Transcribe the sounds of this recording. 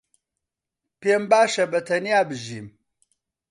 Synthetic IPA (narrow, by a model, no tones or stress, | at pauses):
pembaʃɐbɐtʰɐnijabɨʒim